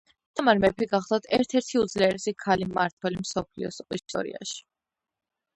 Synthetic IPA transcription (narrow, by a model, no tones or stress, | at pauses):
d̪̥amaɾmɛpʰiɡaχd̪awt̪ʰɛɾt̪ʰɛɾt̪ʰiud̪zlɛɛɾsikʰalimaɾt̪ʰwɛlimsɔpʰlḭɔ̰sḭst̪ʼɔ̰ɾḭa̰ʃi̥